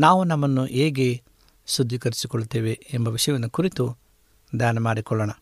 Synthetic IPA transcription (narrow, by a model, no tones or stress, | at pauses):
naːʋunɐmːɐnːuʔeːɡe̞ | sud̪ʱːikɐɾisikɔɭːut̪ːeːʋe̞embɐʋiʂɐjɐʋinːukuɾit̪u | d̪jaːnɐmaːɽikɔɭːɐɳɐ